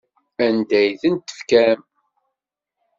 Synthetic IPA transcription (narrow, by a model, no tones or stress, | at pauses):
ænd̪æjθənt̪ːə̥fkæm